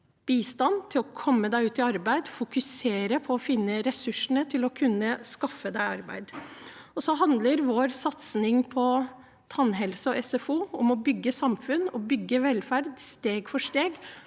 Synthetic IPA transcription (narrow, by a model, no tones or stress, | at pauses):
b̥iːst̪ɑnt̪ʰɪlɔkʰɔmːəd̪æɪʉːt̪ɪɑɾbæɪd̪fʊkʉseːɾəpʰɔɔfɪnːəɾɛsʉʂəɳət̪ʰɪlɔkʰʉnːəskɑfːəd̪æɪɑɾbæ̰ɪd̪ | ɔsɔɦɑnd̪ləɾʋoːɾsɑt̪snɪŋpʰɔ | t̪ʰɑnɦɛlsəɔʔɛsɛfuːɔmɔbʏɡːəsɑmfʉnːɔbʏɡːəʋɛlfæɾd̪st̪eːɡfɔʂt̪eːɡ